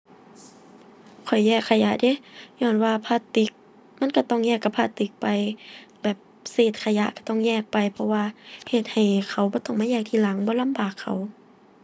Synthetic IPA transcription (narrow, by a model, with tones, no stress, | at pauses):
kʰɔ˨˩jːɛː˧˩kʰːa˧ja˧˦ʔde˧˦˨ɲɔː˧˩˨nwaː˧pʰaː˧˨t̪i˧˦k̚ | ma˧˥˨nka˧˩t̪ɔ˧˩ŋjɛː˧˩kːa˧˩pʰːaː˧˨t̪i˧˦k̚pa˨jbɛː˨˩p̚seː˨˩t̪̚kʰa˧˨ja˧ʔka˧˩t̪ɔ˧˩˨ŋjɛː˧˩k̚pa˨˩jpʰɔ˧waː˧he˧˩t̪̚ha˨˩jkʰa˧˩wbɔː˧˦t̪ɔ˧˩ŋmaː˧˥jɛː˧˩k̚t̪ʰiː˧˨la˨˦ŋbɔː˧˦la˧˥˨mbaː˨˩kʰːa˨˩w